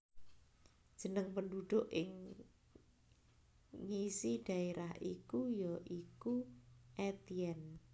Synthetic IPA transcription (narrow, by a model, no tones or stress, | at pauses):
d̥ʒ̥ə̤nəŋpənduɖ̪̥ʊʔɪŋ | ɲisiɖ̪̥a̤eɾahʔikujɔʔikuʔɛt̪iɛn